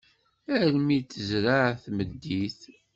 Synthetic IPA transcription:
æɾmit͡sːəzɾaʕθməd̪ːiθ

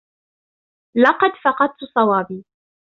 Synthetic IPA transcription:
lɑqɑd̪fɑqɑd̪̚t̪ʊsˤɑwɑːbiː

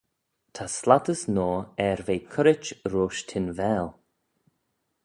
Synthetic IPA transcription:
t̪ʰaslat̪əsnɔːɛɾveːkʰʊɾɪt͡ʃɾoːʃtʰɪnvɛːl

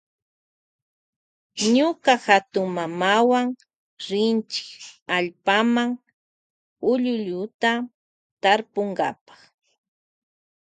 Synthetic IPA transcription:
ɲʊkaxat̪ʊŋmamawaŋ | ɾɪnt͡ʃɪ̥kaʎpamaŋ | ʊʎʊʎʊt̪a | t̪aɾpoŋɡa̰pḁχ

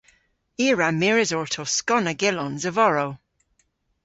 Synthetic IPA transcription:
iːɹamiɹɪzɔɹtʰoskɔnəɡɪlɔnzəvɔɹow

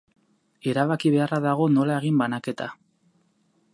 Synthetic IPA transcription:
e̞ɾaβakiβ̞e̞araðaɣ̞o̞no̞lae̞ɣ̞imbanake̞t̪a

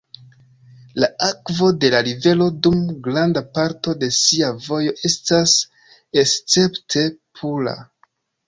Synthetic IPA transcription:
laakvo̞de̞laɾive̞lo̞dumɡɾandapaɾto̞de̞siavo̞jo̞ʔe̞stas | est͡se̞ptʰe̞pʰula̰

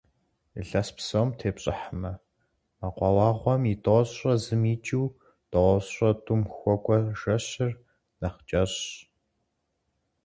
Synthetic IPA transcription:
ɬɐspsowmtʰeːpɕʼɪ̰ħəmɐ | maqʷɑwɑːʁʷɔmitʼoɕrɐzɨmiːt͡ʃʼiw | d̥ʼɔʁʷɔɕrɐtʼʊmxʷɔkʷʼɔʒɐɕɪr | nɐχt͡ʃʼɐɕ

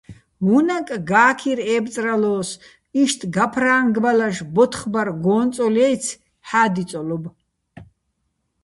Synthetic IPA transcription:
ɦunakʼɡaːkʰiɾɛːbt͡sʼralɔːs | iʃt̪ʰɡapʰraːŋɡbalaʃbɔt̪ʰχbaɾɡɔːnt͡sʼɔlɛjt͡sʰ | ħaːd̪it͡sʼɔlɔb

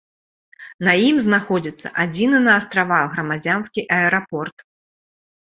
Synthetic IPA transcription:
nɐjimznaxɔd͡zʲit̪sːɐ̰ʔad͡zʲinɨnɐːst̪ɾavaɣɾɐmad͡zʲanskʲiʔɐɛɾapɔrt̪

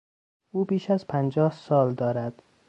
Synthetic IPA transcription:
uːbiːʃæzpʰænd͡ʒɒːhsɒːld̪ɒːɾæd̪̥

